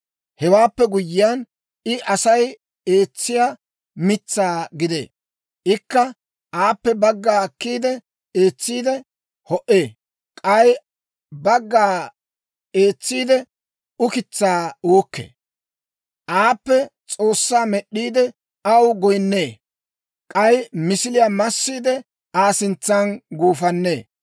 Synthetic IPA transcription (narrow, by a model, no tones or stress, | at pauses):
hɛwaːpːɛɡʊjːɪjan | ɪʔɐsɐj | e̞ːt͡sːɪjaː | mɪt͡sːaːɡɪd̪ḛː | ʔɪkːɐ | ʔaːpːɛbɐɡːaːkːiːd̪ɛ | e̞ːt͡sːiːd̪ɛ | hɔʔeː | kʼɐj | bɐɡːaː | eːt͡sːiːd̪ɛ | ʊkɪt͡sːaːoːkːḛː | ʔaːpːɛt͡sʼoːsːaːmɛɗːiːd̪ɛ | ɐwɡɔjnːeː | kʼɐjmɪsɪlɪjaːmɐsːiːd̪ɛ | aːsɪnt͡sːɐnɡuːfɐnːe̞ː